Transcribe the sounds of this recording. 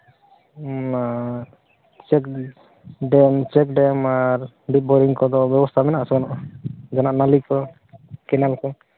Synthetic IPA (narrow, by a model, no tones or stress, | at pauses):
a | t͡ʃɛk | ɖɛmt͡ʃɛkɖɛmaɾ | bit̪̚bɔɾiŋkɔd̪ɔbjɔbɔst̪ʰamɛnaʔsɔbanɔʔd͡ʒanaʔnalikɔ | kɛnalkɔ